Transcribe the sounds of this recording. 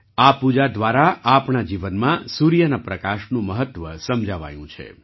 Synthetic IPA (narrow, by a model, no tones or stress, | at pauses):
apud͡ʒad̪ʋaɾaapnad͡ʒiʋənmãsuɾijənapɾəkaʃnũməɦət̪ʋəsəmd͡ʒʱəʋa̰jũt͡ʃʰḛ